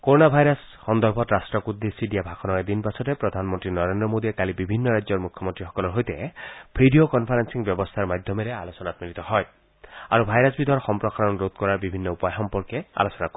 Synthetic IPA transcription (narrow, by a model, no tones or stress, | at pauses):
koɾonabʱajɾɔs | xɔnd̪ɔɾbʱɔt̪ɾasʈɾɔkud̪ːesiɖijabʱakʰɔnɔed̪inpasʰɔt̪epɾɔd̪ʱanmɔnt̪ɾinɔɾend̪ɾɔmod̪iekalibibʱinːɔɾazɔɾmukʰjɔmɔnt̪ɾixɔkɔlɔɾɦojt̪ebʰʱiɖiokɔnpʰaɾensiŋbjɔbɔst̪ʰaɾmad̪ʱjɔmeɾealosɔnat̪milit̪ɔɦɔj | a̰ɾubʱajɾɔsbid̪ʱɔɾxɔmpɾɔkaɾɔnɾot̪̚kɔɾaɾbibʱinːɔupɔjxɔmpɔɾkea̰losɔnakɔ